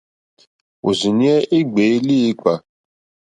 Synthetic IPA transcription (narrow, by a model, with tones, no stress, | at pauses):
o̰˨zi˨ni˦e˦ʔɪ˦ɡ͡be˨i˦li˦k͡pa˨